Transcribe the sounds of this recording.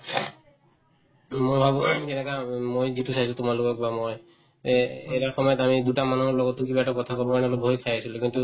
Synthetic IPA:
mojbʱabukenekamojd͡ʒit̪usaisʰut̪umalokɔkbamoj | ḛjɾaxɔmɔjɔt̪amid̪uʈamanɔɦɔɾlɔɡɔt̪uk̬ibaɛʈɔkɔt̪ʰakɔbɔkanɔlɔbʱojkʰajat͡ʃʰilokint̪u

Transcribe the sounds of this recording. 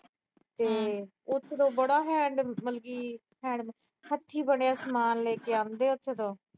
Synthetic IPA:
t̪eː | ʊt̪ʰːt̪õːbəɽaːɦɛ̃ːɳɖməlɡiː | hɛ̃ːɳɖ | hət̪ʰːiːbəɳjaːsmaːnleːkeːaːnd̪eːʊt̪ʰːd̪õː

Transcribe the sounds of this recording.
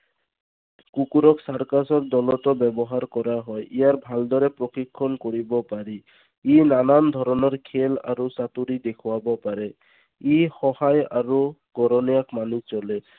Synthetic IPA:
kukuɾɔksaɹkasɔɹd̪ɔlɔtɔbɛbɔɦaɹkɔɾaɦɔjʔijaɹbʱald̪ɔɹɛpɹɔkikʰːɔnkoɹibɔpaɹi | inanand̪ʱɔɹɔnɔɹkʰela̰ɹusat̪uɾid̪ekʰʊwabɔpaɹɛ | ixɔhajaɹuɡ̥ɔɾɔnijakmanit͡ʃɔlɛ

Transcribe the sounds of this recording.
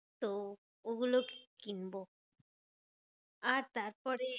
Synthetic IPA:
t̪o | oɡuloke̥kinbo | aɾt̪aɾpɔɾe

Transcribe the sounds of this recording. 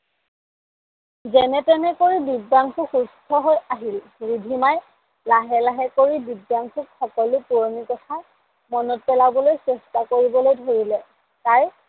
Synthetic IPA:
zɛnɛtɛnɛkoɹibibːaŋkʰuxustʰɔɦojaɦil | ɹidʱimaj | laɦɛlaɦɛkoɹibibːaŋkʰukxɔkɔlʊpuɹmikɔtʰa | mɔnɔt̚pɛlabɔlojsɛstakoɹibɔlojdʱoɹilɛ | kaj

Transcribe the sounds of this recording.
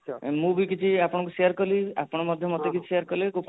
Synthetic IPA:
mũbik̬it͡ʃʰiapɔɽ̃ɔ̃kusejaɾkɔlia̰pɔɽ̃ɔmɔd̪ʱjɔmɔt̪ekit͡ʃʰi̥sejaɾkɔleku

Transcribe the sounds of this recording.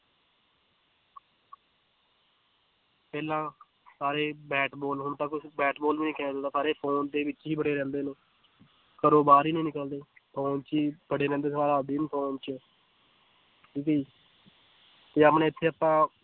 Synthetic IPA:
pɛːlãː | saːɾeːbɛːʈbɔːlɦʊnt̪ãːkʊbɛːʈbɔːlʋiːniːkɛːnaːd̪od̪aːsaːɾeːpʰoːnd̪eːʋɪt͡ʃɦiːbəɽeːɾɛ̃ːnd̪eːneː | kəɾoːbaːɾiːnĩːnɪkəld̪eːpʰoːnt͡ʃiːbəɽeːɾɛ̃ːnd̪eːsaːɾaːd̪iːnpʰoːnt͡ʃə | ʈiːkəiː | t̪eːəpnẽːɪt̪ʰːeːəpãː

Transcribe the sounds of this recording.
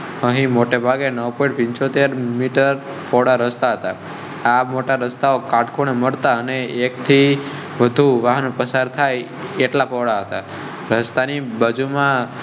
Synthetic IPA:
əɦĩmoʈebʱaɡenəʋpɔĩɳʈpɪ̃ɲt͡ʃot̪eɾmiʈəɾ | pɔɽaɾəst̪aɦət̪a | amoʈaɾəst̪aokaʈkʰoɳeməɽt̪aəneːkt̪ʰi | ʋəd̪ʱuʋaɦənopəsaɾt̪ʰaj | eʈlapɔʋɽaɦət̪a | ɾəst̪anibad͡ʒʱumã

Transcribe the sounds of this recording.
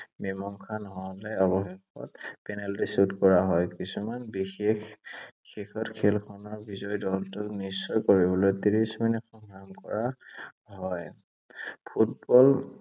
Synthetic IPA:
bɛmɔŋkʰanɔɦɔlɛɔbɔxɛxɔ̰tpɛnaltisutkɔɹaɦɔjkisumanbixexː | exɔtkʰelkʰɔnɔɹbizɔjdɔltʊnisːɔjkoɹibɔlɔjtiɹisminɛxɔŋɹamkɔɹa | ɦɔj | pʰutbɔl

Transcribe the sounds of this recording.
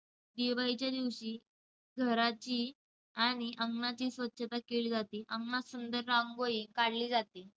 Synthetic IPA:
d̪ibait͡ɕjad̪iʋɕiː | ɡʱəɾat͡ɕiː | aɽ̃iʔəŋɡnat͡ɕiːsʋət̪ːɕʰət̪akeliːd͡zat̪iːʔəŋɡnasund̪əɾːãŋɡoikaɽliːd͡zat̪iː

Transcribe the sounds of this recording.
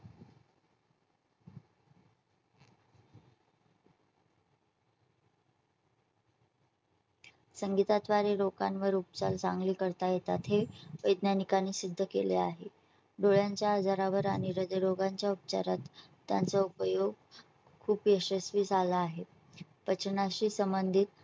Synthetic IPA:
səŋɡit̪at̪ʋaɾeɾokanʋəɾup̚t͡ɕa̰lt͡sa̰ŋɡliːkəɾt̪ajet̪at̪ʰeʋəjd̪nanikanːiːsid̪ʱːəkḛlḛa̰ɦe | ɖoɭjaɲt͡ɕjaəd͡zaɾaʋəɾaɽ̃iɾəd̪əjɾoɡaɲt͡ɕjaup̚t͡ɕa̰ɾat̪ː | ja̰nt͡saupəjoɡ | kʰuːpjəɕəsʋiːsalaːɦe | pət͡ɕʰnaɕiːsəmbənd̪ʱit̪̚

